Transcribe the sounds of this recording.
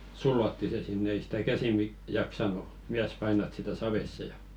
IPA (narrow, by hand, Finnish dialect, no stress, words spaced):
sulːotːi se sinːe ei si̥tæ kæsi mi jɑksɑnu miæs pɑinɑt sitæ sɑʋesːe jɑ